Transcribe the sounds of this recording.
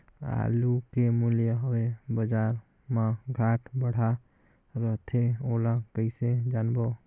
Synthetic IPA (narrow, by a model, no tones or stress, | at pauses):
a̰lukemuljəɦoebəd͡ʒaɾ | mãɡʱaʈbəɽ̤a | ɾət̪ʰeolakəɪsed͡ʒanbo